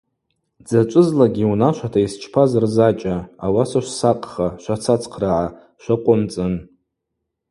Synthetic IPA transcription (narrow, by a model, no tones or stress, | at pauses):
d͡zat͡ʃʷʼʊzlaɡʲiunaʃʷatʰaist͡ʃʰpʰazrzat͡ʃʼaawasaʃʷsaqʼχaʃʷat͡sʰat͡sʰqʰraʕa | ʃʷaqʷʼʊmt͡sʼɨn